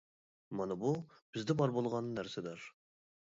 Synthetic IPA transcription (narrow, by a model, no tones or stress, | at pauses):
mɑnɑbub̥ɪzd̪ɛbɑɾbolˠʁɑnːnæɾsɪd̪ɑɾ